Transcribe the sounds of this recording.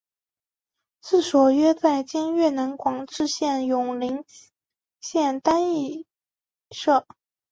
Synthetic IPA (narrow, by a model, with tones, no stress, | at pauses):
sɹ̩˥˩ʂwɔ˨˩ɥɛ˥t͡sa˥˩ɪt͡ɕi˥nɥɛ˥˩nə˧˥nkwɑ˨˩ŋʈ͡ʂɻ̩˥˧ɕjɛ˥˩njʊ˨˩ŋli˧˥ŋ | ɕjɛ˥˩nt̪a˥ni˥˩ | ʂɤ˥˩